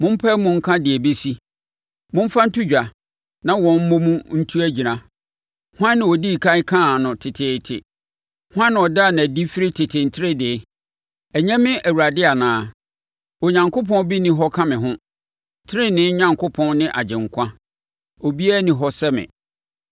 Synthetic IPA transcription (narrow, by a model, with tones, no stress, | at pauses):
mʊ̃˦m̩˦pʰɛ˦mʊ̃˦ŋ̩˦kʰã˦dɪ˨æ˨be˦si˦ | mʊ̃˦m̩˦fa˦n̩˦tʰu˦d͡ʑᶣa˨ | nã˦wɔ̃˨m̩˦mõ˦mũ˦n̩˦tʰu˦æ˦d͡ʑi˨ɾã˦ | hã˦nːɪ̃˨wɔ˨di˦˨kʰa˦kʰã˦˨nʊ̃˨tʰɪ˨tʰɪ˨tʰɪ̰˨ | hʊ˦ã˦n˨ɔ˨da˦˨nã˨di˦fɪ˦ɾɪ˦tʰɪ˨tʰɪ˨n̩˨tʰɪ˦ɾɪ˦dɪ˨˦ | æ˨ɲɛ̃˦mɪ̃˦ʔæ˨wu˨ɾa˨dɪ˦a˨nãː˨˦˨ | ɔ˨ɲã˨ŋkʰʊ˦pʰɔ̃˦bi˦nɪ̃˦ɦɔ˦kʰã˦mɪ̃˨ɦʊ̃˦ | tʰɪ˦ɾɪ˦nɪ̃˦ɲã˨ŋkʰʊ˦pʰɔ̃˦nnɪ̃˦ʔa˨d͡ʑɪ̃˨ŋ˨kʷʰã˦ | ɔ˨bi˦æː˦nĩ˨ɦɔ˦sɛ˦mɪ̰̃˨